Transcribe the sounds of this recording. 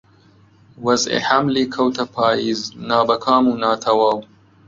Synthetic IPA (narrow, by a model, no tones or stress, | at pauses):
wɐzḛhɐmliːkʰɐwt̪ʰɐpʰaːiːznaːbɐkʰaːmuːnaːt̪ʰɐwaːw